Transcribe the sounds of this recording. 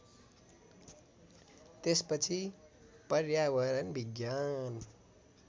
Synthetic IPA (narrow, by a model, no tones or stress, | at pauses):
t̪espʌt͡sʰipʌrjawʌɾʌnbʱiɡjan